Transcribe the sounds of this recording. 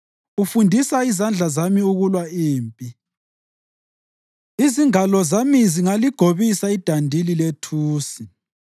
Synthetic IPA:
ufundʱisaizand͡ɮʱazamiuɣulwaiːmpʼi | iziŋalɔzamiziŋaliɡ̥ʱoβisaid̥ʱandʱililetʰuːsi

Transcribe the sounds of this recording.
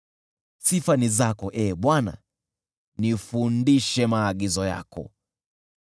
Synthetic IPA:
sifanizakɔʔɛɓwana̰ | nifundiʃɛmaːɠizɔja̰kɔ̰

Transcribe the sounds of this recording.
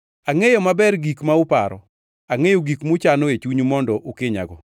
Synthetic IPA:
aŋejɔmabɛrɡikmaʊpaɾɔ̰ | aŋejoɡikmʊt͡ʃanoet͡ʃuɲumɔndɔʔʊkɪɲa̰ɡɔ

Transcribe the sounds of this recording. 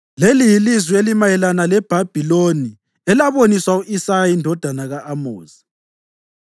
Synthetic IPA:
lelijilizwielimajɛlanalɛb̥ʱab̥ʱiloni | ɛlaβoniswauʔisajaindʱɔd̥ʱanaɣaʔːmoːzi

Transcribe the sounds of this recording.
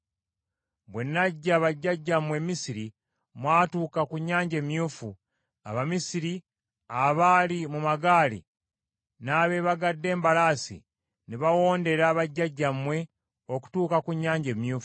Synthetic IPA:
βwenːaɟːaβaɟːaɟːamwe̞misiɾi | mwaːtuːkakuɲːaːɲɟe̞ːmjuːfu | a̰βamisiɾi | aβaːlimumaɡaːlḭ | naːβe̞βaɡadːe̞ːmbalaːsḭ | neβawo̞ːnde̞ɾaːβaɟːaɟːamwe̞ | o̞ku̥tuːkakuɲːaːɲɟe̞ːmjuːfu̥

